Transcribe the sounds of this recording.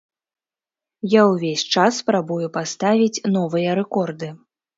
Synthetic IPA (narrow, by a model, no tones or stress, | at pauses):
jawvʲesʲt͡ʂasːpɾabujupast̪avʲit͡sʲn̪ɔvɨjɐɾɛkɔrd̪ɨ